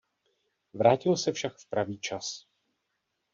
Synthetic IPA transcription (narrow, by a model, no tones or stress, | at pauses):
vɾaːcɪlsɛfʃakfpɾaviːt͡ʃas